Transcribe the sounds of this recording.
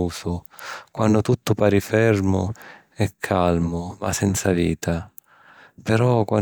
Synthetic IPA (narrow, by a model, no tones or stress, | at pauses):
uːsʊkwanːʊt̪ut̪ːʊpaːɾifɛrmʊ̰ | ɛkʰːalmʊma̰sɛnt̪saviːt̪ʰa | pɛɾɔkwa